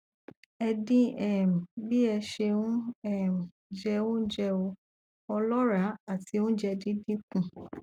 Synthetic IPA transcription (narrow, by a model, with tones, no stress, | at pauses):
ɛ˧dĩ˦ɛ˦˨m̩˨bi˦ɛ˧ʃe˧wũ˦ɛ˦˨m˨ | d͡ʒɛ˧õ˦d͡ʒɛ˧o˧ | ɔ˧lɔ˦ɾa˨˦a˦˨ti˧˦ũ˦d͡ʒɛ˧dĩ˦dĩ˦k̚ũ˦˨